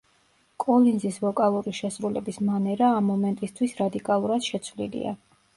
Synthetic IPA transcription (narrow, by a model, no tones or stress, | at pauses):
kʼɔlinzisvɔkʼalˠuɾiʃɛsɾulɛ̰bismanɛɾaːmːɔmɛnt̪ʼist̪ʰwisɾad̪ikʼalˠuɾad̪̥ʃɛt̪sʰwvlḭlḭa̰